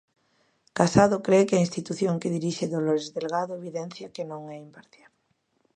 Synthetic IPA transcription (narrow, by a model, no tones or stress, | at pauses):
kasaðʊkɾekɪainst̪it̪uθjoŋkeðiɾiʃɪðoloɾezðelɣaðʊeβiðɛn̟θjakenõŋɛimpaɾθjal